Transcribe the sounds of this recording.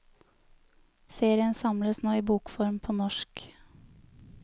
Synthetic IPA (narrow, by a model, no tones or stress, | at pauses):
seːɾɪənsɑmləsnoːiːbuːkfɔɾmpʰoːnɔʃk